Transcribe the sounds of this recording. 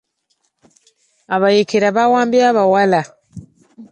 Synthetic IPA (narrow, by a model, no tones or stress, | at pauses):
aβajekeɾaβawaːmbiaβawala